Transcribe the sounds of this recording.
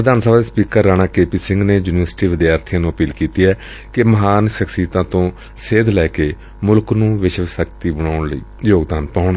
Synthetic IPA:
ɾəd̪aːnsəbaːd̪eːspiːkəɾːaːnaːkeːpiːsɪ̃ŋɡneːjuːnɪʋəɾsʈiːʋɪd̪jaːɾt̪ʰɪjãːnũːəpiːlkiːt̪iːɛː | kɪməɦaːnʃəksiːt̪ãːt̪õː | seːd̪lɛːkeː | mʊlknũːʋɪʃʋsəkt̪iːbəɽaːʊɳləḭːjoːɡd̪aːnpãːʊɳ

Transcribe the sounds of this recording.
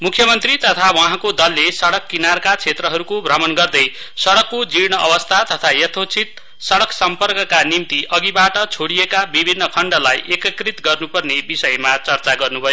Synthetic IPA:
mukʰːjʌmʌnt̪rit̪ʌt̪ʰawʌɦãkod̪ʌlːesʌɽʌkːinarkat͡sʰet̪rʌɦʌɾukobʱrʌmʌnɡʌrd̪ʌj | sʌɽʌkːod͡ziɽñʌʔʌbʌst̪ʰat̪ʌt̪ʰajʌt̪ʰot͡sʰit̪ | sʌɽʌksʌmpʌrkʌkanimt̪iʔʌɡibaʈʌt͡sʰoɽijekabibʱinːʌkʰʌɳɖʌlajʔekʌkrit̪ɡʌrnupʌrnebisʌjmat͡sʌrt͡saɡʌrnubʱʌjo

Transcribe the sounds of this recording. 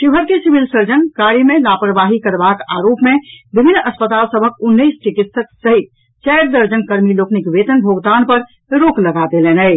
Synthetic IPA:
ʃiɦəɾkesibilsəɾd͡ʒənkaɾimelapɾəbaɦikəɾbaka̰ɾopmebibʱinːəspət̪alsəbʱəkunːəisʈikit̪səksəɦit̪ | t͡ʃɛjɾd̪əɾd͡ʒənkəɾmiloknikʋet̪ənbʱoɡd̪anpəɾ | ɾokləɡad̪elenɛ

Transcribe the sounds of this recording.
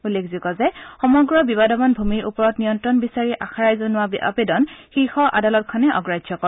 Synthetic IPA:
ulːekʰzikɔzɛxɔmɔɡɹɔbibadɔmɔnbʱumiɹʔupɔɹɔtnijɔntɹɔnbisaɹiʔaxaɹajzonʊwaa̰pedɔnxixɔʔa̰dalɔt̚kʰɔnɛʔɔ̰ɡɹajdʱʒɔkɔ

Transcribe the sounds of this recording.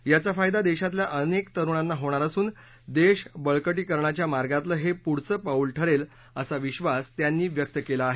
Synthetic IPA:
jat͡safajd̪ad̪eɕat̪ljaʔənekt̪əɾuɳ̃anːaɦoɽ̃aɾəsuːn | d̪eɕbəɭkəʈ̬iːkəɾɳat͡ɕjamaɾɡat̪ləːɦepuɽt͡səːpaulʈʰəɾel | əsaʋiɕʋast̪janːiːʋjək̚t̪əkelaːɦe

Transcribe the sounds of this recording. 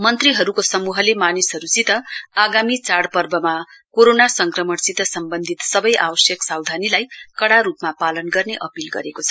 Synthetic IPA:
mʌnt̪riɦʌɾukosʌmuɦʌlemanisɦʌɾut͡sit̪ʌaɡamit͡saɽpʌrbʌma | koɾonasʌŋkrʌmʌɽt͡sit̪ʌsʌmbʌnd̪ʱit̪sʌbʌjʔawʌsjʌksawd̪ʱanilajkʌɽaɾupmapalʌnɡʌrneʔʌpilɡʌ̰ɾekot͡sʰʌ

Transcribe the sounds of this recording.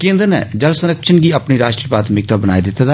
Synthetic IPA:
kẽːnd̪ənɛ̰ːd͡ʒəlsəɾəkʃənɡiːəpniːɾaːʃʈɾiːəpaːt̪ʰmɪk̚t̪aːbəna̰ːid̪ɪt̪ad̪a

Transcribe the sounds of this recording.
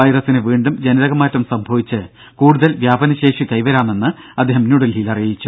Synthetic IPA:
ɐjrɐsinɨʋiːɳɖumd͡ʑɐnɐðɐɣɐmaːtːɐmsɐmbʱɐʋit͡ɕːɨ | kuːɽuðɐlʋjaːbɐnɐɕe̞ːʂikɐjʋɐɾaːme̞nːɨ | ɐd̪ʱːeɦɐmnuɽɐlilɐrijit͡ɕːu

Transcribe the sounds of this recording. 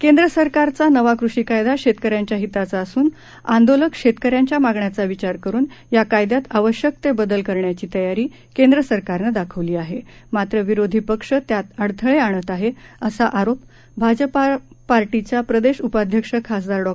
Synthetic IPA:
kend̪ɾəsəɾkaɾt͡sanəʋakɾuʂikajd̪aɕet̪kəɾjaɲt͡ɕjaɦit̪at͡saːsuːn | and̪oləkʂet̪kəɾjaɲt͡ɕjamaɡɳjat͡saʋit͡ɕaɾkəɾuːnjakajd̪jat̪aʋəɕjək̚t̪ebəd̪əlkəɾɳjat͡ɕiːt̪əjaɾiː | kend̪ɾəsəɾkaɾnəd̪akʰəʋliːaɦemat̪ɾəʋiɾod̪ʱipəkʂət̪jat̪əɽt̪ʰəɭeaɳ̃ət̪aɦeəsaʔaɾop | bʱad͡ʑəpa | paɾʈit͡ɕjapɾəd̪eɕupad̪ʱjəkʂəkʰːasd̪aɾɖɔ

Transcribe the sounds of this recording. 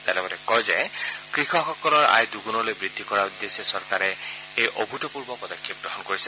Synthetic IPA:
t̪alɛbɔtɛkɔjzɛ | kɹixɔxɔkɔlɔɹa̰jduɡunɔlojbɹid̪ʱːikɔɹaud̪ːesɛsɔɹkaɹɛ | ejʔobʱutɔpuɹbɔpɹɔdɔkʰːip̚ɡɹɔɦɔnkoɹisɛ

